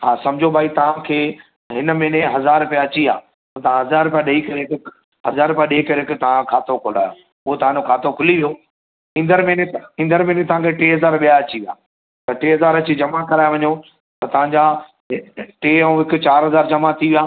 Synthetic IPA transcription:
ɦaːsɐ̃md͡ʑʱobʱaːit̪ɐʋ̤ãkʰeː | ɦɪnə̆mẽːneɦɐzaːɾpijaɐt͡ɕiã̰ː | t̪ɐãɦɐzaːɾpjãɗeikɐɾek | ɦɐzaːɾpjãɗeːkɐɾekʰt̪ɐʋ̤ãkʰaːt̪okʰʊla̰ːjo | ʊɦot̪ɐʋ̤ãd͡ʑokʰaːt̪okʰʊliʋijo | ĩːnd̪əɾmẽneĩnd̪əɾmẽːnet̪ɐʋ̤ãkʰeʈeːɦɐzaːɾɓijaɐt͡ɕiʋijaː | t̪ɐʈeːɦɐzaːɾɐt͡ɕid͡ʑɐmakɐɾaːeʋɐɲo | t̪ɐt̪ɐʋ̤ãɲd͡ʑa | ʈeːũɦɪkʊ̆t͡ɕaːɾɦɐzaːɾd͡ʑɐmat̪ʰiʋijaː

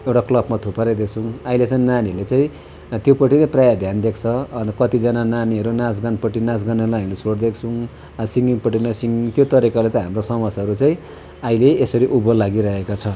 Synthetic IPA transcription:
ewʈaklʌbmat̪ʰupaɾʌjd̪ekʰt͡sʰũailet͡saĩnanilet͡saĩ | t̪jopʌʈːinaprajad̪ʱjand̪ekʰt͡sʰʌnkʌt̪id͡zʌnananiɦʌɾunãs̬ɡanpʌʈːinãs̬ɡanʌɾulaɦamilesʰoɽd̪ekʰt͡sʰu | siŋɡiŋpʌʈimasiŋɡit̪jot̪ʌɾikalet̪ʌ̃ɦamrosʌmʌsʌɾut͡saĩ | aileːsʌɾiʔubʌlaɡiɾʌɦekat͡sʰʌ

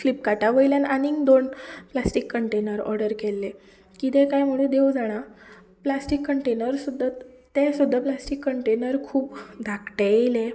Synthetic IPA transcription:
flipkaʈaʋəjljananiŋɡd̪onplasʈikːəɳʈenəɾɔ̰ɾɖəɾkelːe | kit̪ɛ̃kajm̤uɭed̪ewd͡zaɽ̃a | plasʈikːəɳʈenəɾsud̪ʱː | t̪esud̪ʱːaplasʈikːəɳʈenəɾkʰuːpd̪ʱakʈeele

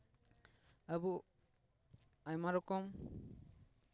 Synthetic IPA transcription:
abu | ajmaɾɔkɔm

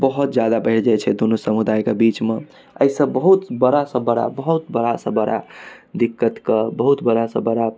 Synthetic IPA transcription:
bəɦut̪̚d͡ʒjad̪abəɦiɽd͡ʒat͡ʃʰɛd̪unusəmud̪ajkebit͡ʃme | ə̰isə̃bəɦut̪bəɾasə̃bəɽa̰bəɦut̪bəɾasə̃bəɾa̰d̪ikːət̪kəbəɦut̪bəɾasə̃bəɾa

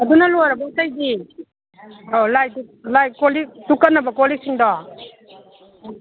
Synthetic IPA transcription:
ɐdunɐlojɾɐbɐutajɡi | olajtulajkoliktukːɐnːɐbɐkolik̚siŋdɔ

